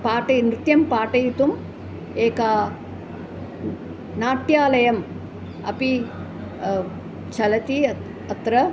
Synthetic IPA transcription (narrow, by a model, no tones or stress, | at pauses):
paːʈɐjnɾɪt̪jɐmpaːʈɐjit̪um | eːkaː | naːʈjaːlɐjɐm | ɐ̰pi | t͡ʃʰɐlɐt̪i | ɐt̪ɾɐ